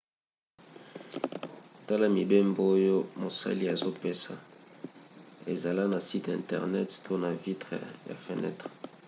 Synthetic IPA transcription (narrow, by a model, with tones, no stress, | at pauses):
ta˦la˦mi˨be˦mbo˦jo˦mo˨sa̰˦li˦a˨zo˦pe˦sa˨ | ḛ˨za˨la˦na˨si˦tɛ̰̃˨ntɛ̰˨ʁnɛ˦ttʰo˦na˨vi˦tʁɛ̰˨ja̰˨fe˨nɛ̰˦tʁ